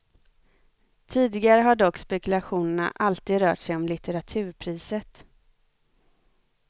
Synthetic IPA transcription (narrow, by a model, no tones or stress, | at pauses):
t̪ʰiːd̪ɪɡaɾəɦaɖɔkːspɛkɵlaɧuːnəɳa̰ʔalt̪iːd̪ɾœːʈʂɛjɔmlɪt̪əɾat̪ʰʉ̟ːɾpʰɾiːsət̪